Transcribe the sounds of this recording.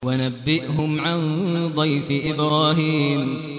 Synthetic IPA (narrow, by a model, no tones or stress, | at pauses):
wanabːɪʔhʊmʕand̪ˤɑjfɪʔɪbɾˤaːɦiːm